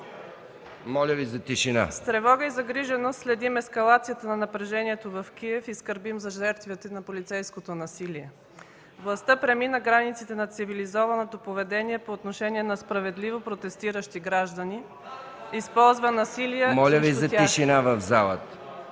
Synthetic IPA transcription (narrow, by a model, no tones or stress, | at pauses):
mɔlʲəvizɐt̪iʃina̰st̪ɾɛvɔɡəizɐɡɾiʒɛnost̪slɛd̪imɛskɐlˠat̪sijət̪ənɐnɐpɾɛʒɛniɛt̪ovɐfkiɛfiskəɾbimzɐʒɛɾt̪vit̪ɛnɐpolit̪sɛjskot̪onɐsiliɛ | vlˠɐst̪əpɾɛminəɡɾanit̪sit̪ɛnɐt̪sivilizɔvɐnot̪opovɛd̪ɛniɛpoːt̪noʃɛniɛnɐspɾɐvɛd̪livopɾot̪ɛst̪iɾəʃt̪iɡɾaʒd̪əni | ispɔlˠzvənɐsilijəmɔlʲəvizɐt̪ʲiʃinavɐvzalˠə̰t̪